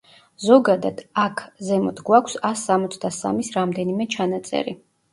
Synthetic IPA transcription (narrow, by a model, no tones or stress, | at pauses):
zɔɡad̪ad̪̥akʰzɛmɔd̪ʰɡwakʷʰsasːamɔt̪sʰd̪asa̰misɾamd̪ɛnimɛt͡ʃʰanat̪sʼɛ̰ɾḭ